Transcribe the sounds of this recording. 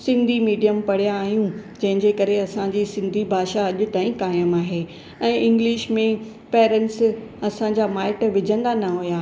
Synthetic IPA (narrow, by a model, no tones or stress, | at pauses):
sɪ̃nd̪ʱimiːɖijəmpɐɽ̤ijaːɦijũd͡ʑɐ̃ɦɪ̃ɲd͡ʑekɐɾeɐsãd͡ʑiːsɪ̃nd̪ʱibʱaːʃaɐʄʊt̪aːĩkaːjəmaːɦeː | ɛ̃ːʔɪ̃ŋɡlɪʃmẽ | pɛːɾɛ̃nʈs | ɐsãɲd͡ʑamaːɪʈʋɪd͡ʑʱə̃nd̪anɐɦujaː